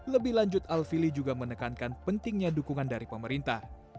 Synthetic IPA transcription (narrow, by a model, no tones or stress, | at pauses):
ləbɪhlaɲd͡ʒʊt̪alfilid͡ʒuɡamənəkankanpənt̪ɪŋɲadukuŋandaɾipəməɾint̪ah